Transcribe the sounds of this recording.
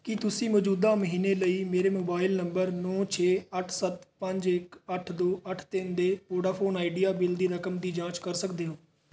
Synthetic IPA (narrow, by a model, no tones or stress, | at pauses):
kɪt̪ʊsĩːmɔːd͡ʒuːd̪aːməɦiːneːləiːmeːɾeːmoːbaːɪlnəmbəɾnɔːt͡ʃʰeːəʈʰsət̪pəɲd͡ʒɪkəʈʰd̪oːʔəʈʰt̪ɪnd̪eːpoːɖaːpʰoːnaːɪɖijaːbɪld̪iːɾəkəmd̪iːd͡ʒãːt͡ʃkəɾsəkd̪eːɦoː